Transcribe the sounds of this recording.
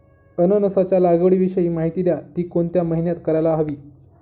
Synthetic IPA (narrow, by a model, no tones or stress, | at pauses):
ənənəsat͡ɕalaɡəɭiːʋiɕəjiːmaɦit̪iljat̪iːkoɳt̪jaməɦinjat̪kəɾajlaɦʋiː